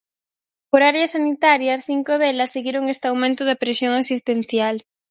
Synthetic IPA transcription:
poɾaɾeasanit̪aɾjasθiŋkoðelasːeɣjeɾoŋest̪eawmẽnt̪oðapɾesjoŋasist̪en̟θjal

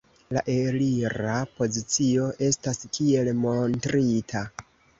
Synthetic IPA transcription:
laʔe̞ɾiɾapo̞zit͡sio̞ʔe̞staskie̞lmo̞ntɾitʰa

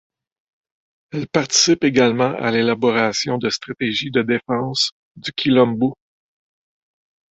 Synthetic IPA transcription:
ɛlpaʁt̪i̥sɪpeɡalmɑ̃ʔa̰lelabɔʁasjɔ̃d̪əst̪χat̪eʒid̪əd̪efɑ̃s | d̪ykʲʰilɔ̃mbo

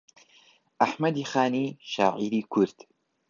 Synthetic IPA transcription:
ʔaħmɐd̪iːxaːniːʃa̰ːʔiɾiːkʰuɾd̪̥

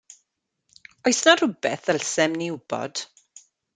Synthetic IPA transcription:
ɔjsnar̥ʊbɛθəlsɛmnɪwbɔ̰d̥

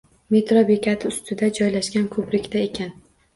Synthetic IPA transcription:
me̞t̪ɾɒbe̞kʲʰat̪ʰɪʊst̪ʰɪd̪ad͡ʒɒjlaʃɡʲankʰɵpɾɪkʲt̪ʰae̞kʲʰan

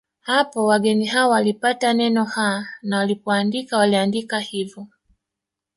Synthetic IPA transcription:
hapɔwaɡɛniɦaɔwalipatanɛnɔhanawalipɔandikawaliandikahivɔ

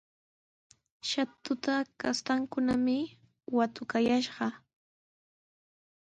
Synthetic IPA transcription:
ʃat̪ʊt̪akast̪aŋkʊnamɪ | wat̪ʊkajaʃɢɑ

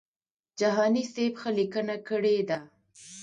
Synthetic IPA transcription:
d͡ʒaɦɑnisebxəlikənakəɽed̪a

